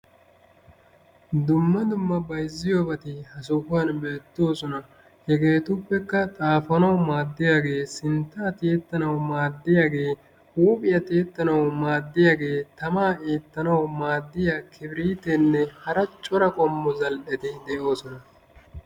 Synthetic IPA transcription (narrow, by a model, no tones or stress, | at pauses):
d̪ʊmːɐd̪ʊmːɐbɐjzːɪjobɐt̪ɪhɐsʊkʊaːnbe̞ːt̪ːo̞ːsɔnɐ | hɛɡe̞ːt̪ʊpːɛkːɐt̪ʼaːfɐnɐwmaːd̪ːɪjaːɡe̞ːsɪnt̪ːaːt̪eːt̪ːɐnɐwmaːd̪ːɪjaːɡe̞ː | huːpʼɪjɐt̪eːt̪ːɐnɐwmaːd̪ːɪjaːɡe̞ːt̪ɐmaːeːt̪ːɐnɐwmaːd̪ːɪjakʰɪbɪɾiːt̪ɛnːɛhɐɾɐt͡ʃʼɔɾɐkʼɔmːɔzɐlʔɛt̪ɪd̪ɛʔo̞ːsɔnɐ